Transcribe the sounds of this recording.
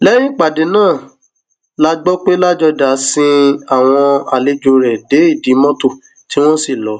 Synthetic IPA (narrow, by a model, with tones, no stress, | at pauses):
lɛ˦jĩ˦˨k͡pa˨de˨˦nãː˦˨ | la˦ɡ͡bɔ˦k͡pe˦la˦d͡ʒɔ˧da˨˦sĩ˧a˦˨w̃ɔ̃˧a˨le˧d͡ʒũ˧ɾɛ˨de˨˦i˦˨di˨˦mɔ̃˦to˦˨ | ti˦w̃ɔ̃˦si˨lɔ˨˦